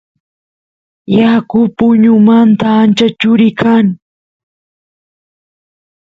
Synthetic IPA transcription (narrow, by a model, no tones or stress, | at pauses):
jakʊpʊɲʊmant̪aːnt͡ʃat͡ʃʊɾɪkʰaŋ